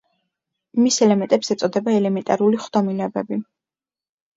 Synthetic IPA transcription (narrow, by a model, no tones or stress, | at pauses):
misɛlɛmɛnt̪ʼɛpsɛt̪sʼɔd̪ɛbaɛlɛmɛnt̪ʼaɾuliχd̪ɔmilɛbɛbi